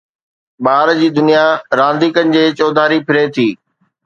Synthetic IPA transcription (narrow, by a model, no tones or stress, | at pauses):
ɓaːɾd͡ʑiːd̪ʊnijaɾãːnd̪ʱiːkənɪ̆d͡ʑeːt͡ɕoːd̪ʱaːɾipʰɪɾet̪ʰiː